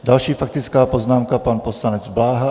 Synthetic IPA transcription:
dalʃiːfak̚t̪ɪt͡skaːpoznaːmkapanpo̞slanɛd͡zblaːɦa

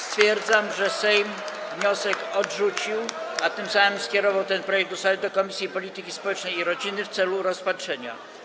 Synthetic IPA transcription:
st̪fʲjɛɾd̪zamʐɛsɛjmvɲɔsɛkɔdʐut͡ɕiwat̪ɘmsamɘmskʲɛɾɔvawt̪ɛnpɾɔjɛɡ̚t̪usad̪ɘd̪ɔkɔmʲisʲjipɔlʲit̪ɘkʲispɔwɛt͡ʂnɛjiɾɔd͡ʑinɘft̪sɛluɾɔspatʂɛɲa̰

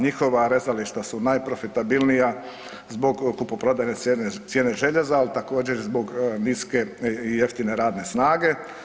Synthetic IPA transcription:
ɲixo̞ʋaɾezaliʃt̪asunajpɾo̞fit̪abilnija | zbo̞ɡkupopɾo̞d̪ajneenesjeːneʒe̞ʎezaːlit̪ako̞ːd͡ʑeɾzbo̞ɡniske̞ije̞ft̪ine̞ɾaːd̪ne̞snaːɡe̞

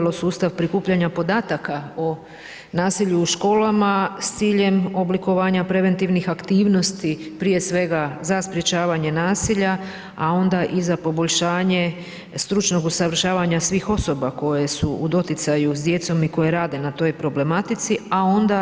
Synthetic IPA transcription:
lo̞suːst̪aʋpɾikuːpʎaɲapo̞d̪aːt̪akao | naːsiʎuːʃko̞ːlamast̪siːʎe̞mo̞bliko̞ʋaːɲapɾe̞ʋe̞nt̪iʋnixakt̪iːʋno̞st̪ipɾije̞sʋe̞ɡazaspɾje̞t͡ɕaːʋaɲe̞naːsiʎa | ao̞nd̪aʔizapo̞bo̞ʎʃaːɲe̞ | st̪ɾut͡ʃno̞ɡusaʋr̩ʃaːʋaɲasʋiːxo̞so̞bako̞jesuud̪o̞t̪it̪sajuzd̪je̞t̪so̞miko̞je̞ɾaːd̪e̞nat̪o̞jpɾo̞ble̞mat̪it̪siao̞nd̪a

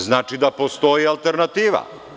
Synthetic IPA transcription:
znaːt͡ʃid̪apost̪o̞jialˠt̪eɾnat̪iːʋa̰

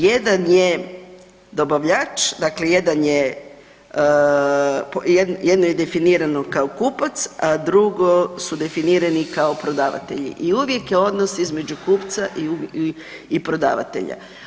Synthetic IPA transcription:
je̞d̪anje | d̪o̞baʋʎat͡ʃd̪akle̞je̞d̪anje | pjed̪njed̪noje̞d̪e̞finiːɾano̞kaokuːpat̪sad̪ɾuɡo̞sud̪e̞finiːɾanikaopɾo̞d̪aːʋa̰t̪e̞ʎḭʔiuʋje̞kjeo̞d̪nosizmed͡ʑukuːpt̪saʔi | ipɾo̞d̪a̰ːʋa̰t̪e̞̰ʎa̰

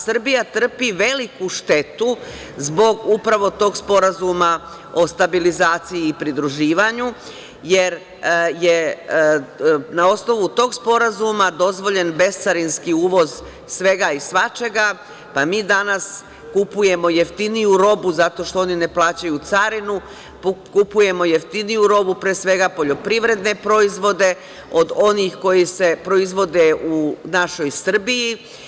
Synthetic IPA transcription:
sr̩bijat̪r̩piʋe̞likuʃt̪e̞t̪u | zbo̞ɡupɾaʋo̞t̪o̞ːɡspo̞ɾazuma | o̞st̪abilizaːt̪sijiːpɾid̪ɾuʒiːʋaɲu | je̞ɾ | je̞ | nao̞sno̞ʋut̪o̞ːɡspo̞ɾazumad̪o̞zʋo̞ʎe̞nbe̞st̪saɾinskiuːʋo̞z | sʋe̞ɡaisʋat͡ʃe̞ɡa | pamiːd̪anas | kupuje̞mo̞jeft̪inijuɾo̞buzat̪o̞ʃt̪oo̞nine̞plˠaːt͡ɕajut̪saɾinu | pkupuje̞mo̞je̞ft̪inijuɾo̞bupɾeːsʋe̞ɡapo̞ʎo̞pɾiʋɾe̞d̪ne̞pɾo̞izʋo̞d̪e̞ | o̞d̪o̞nixko̞jise̞pɾo̞izʋo̞d̪e̞unaʃo̞jsr̩biji

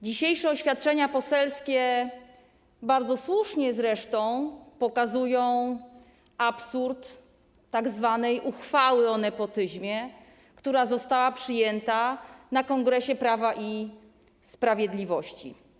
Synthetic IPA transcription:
d͡ʑiɕejʂɛɔɕfʲjat̪̚t͡ʂɛɲapɔsɛlskʲɛ | baɾd̪zɔswuʂɲɛzɾɛʂt̪ɔ̃w̃pɔkazujɔ̃w̃ | apsuɾt̪ː | aɡzvanɛjʔuxfawɘɔnɛpɔt̪ɘʑmʲjɛ | kt̪uɾazɔst̪awapʂɘjɛnt̪anakɔŋɡɾɛɕɛpɾavaʔi | spɾavʲjɛd̪lʲivɔɕt͡ɕḭ

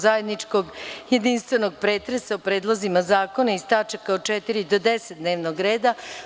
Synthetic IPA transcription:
zaje̞d̪nit͡ʂko̞ɡje̞d̪inst̪ʋe̞no̞ɡ̚pɾeːt̪ɾesaupɾe̞ːd̪lˠozimazaːko̞naist̪at͡ʃakaot͡ʃet̪iɾid̪od̪eset̪d̪ne̞ːʋnoɡɾe̞ːd̪a

